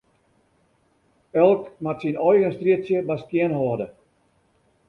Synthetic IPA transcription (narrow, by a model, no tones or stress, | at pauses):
ɛlˠkmatsinɔjɣənstriətsjəbaskiənhɔːdə